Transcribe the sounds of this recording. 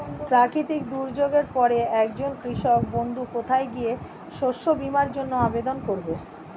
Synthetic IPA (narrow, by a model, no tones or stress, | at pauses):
pɾakit̪ik̚d̪uɾd͡ʑoɡeɾpɔɾeɛkd͡ʑonkɾiʃɔk̚bond̪ʱukot̪ʰaeɡije | ʃoʃːobimaɾd͡ʑonːoabed̪onkoɾbe